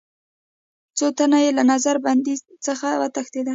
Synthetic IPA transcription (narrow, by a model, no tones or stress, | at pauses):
t͡sot̪anajelanazaɾband̪izt͡səxawə̰t̪axt̪ed̪a